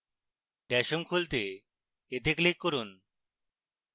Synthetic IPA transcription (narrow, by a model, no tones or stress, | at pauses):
ɖɛʃomkʰult̪e | et̪eklikːoɾun